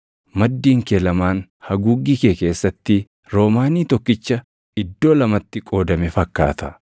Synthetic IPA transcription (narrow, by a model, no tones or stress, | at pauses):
mɐd̪ːiːŋkelɐmaːnhɐɡuːɡːikeːke̞ːsːɐt̪ːɪ | ɾo̞ːmaːniːt̪ɔkːɪt͡ʃːɐ | ɪd̪ːo̞ːlɐmɐt̪ːɪkʼo̞ːd̪ɐmɛfɐkːa̰ːt̪ɐ